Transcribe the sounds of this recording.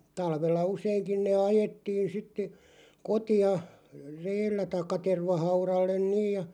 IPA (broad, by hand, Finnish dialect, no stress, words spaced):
tɑlʋelːɑ useiŋkin neː ɑjetːiːn sitːe kotiɑ reːlːæ tɑikːɑ terʋɑhɑurɑlːen niːj jɑ